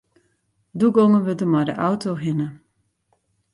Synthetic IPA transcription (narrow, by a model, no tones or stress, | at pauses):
duɡoŋənʋødəmajdə̰ʔawtʰoɦɪnə